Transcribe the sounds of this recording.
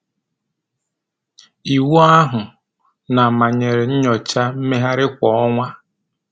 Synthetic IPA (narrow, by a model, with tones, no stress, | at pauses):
i˨wu˦a˦ɦʊ˨ | na˨ma˨ɲe˨ɾe˨ɲ̩˦ɲɔ˨t͡ʃa˦m̩˦me˦ɦa˦ɾɪ˦kʷɔ˨ɔ˦ŋʷa˦